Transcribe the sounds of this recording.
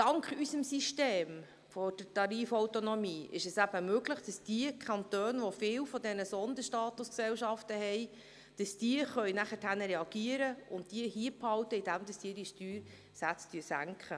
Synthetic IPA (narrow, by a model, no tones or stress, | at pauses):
d̥ɑŋkχysəmsiʃteːm | fɔd̥ətɑɾiːfɔwtonɔmiːʔɪ̰ʃɛsæb̥əmøɡləχd̥ɑsd̥iəkʰχɑntøːnʋɔfɪwfɔdɛnəsɔnd̪əʃtɑːt̪usksɛlʃɑftəhɛj | d̥ɑsd̥iəχœjnæχətʰhænəɾɛɑɡ̥iəɾəʊnt̚d̥iəhiːəphɑwtəɪdæmd̥ɑsd̥iːɾdiʃtyːɾ | sæt͡styəsæŋkχə